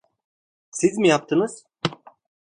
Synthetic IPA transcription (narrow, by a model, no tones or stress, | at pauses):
sizmijap̚t̪ʰɯnɯz̥